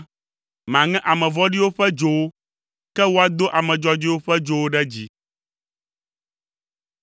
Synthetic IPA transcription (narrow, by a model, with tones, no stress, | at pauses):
mã˨ŋɛ̃˦ʔa˨mɛ̃˨vɔ˦ɖi˦wo˦ɸɛ˦d͡ʒo˦wo˦ | kɛ˦wo˦a˦d̪o˦ʔa˨mɛ̃˨d͡ʒɔ˦d͡ʒi˦wo˦ɸɛ˦d͡ʒo˦wo˦ɖɛ˦d͡ʑi˦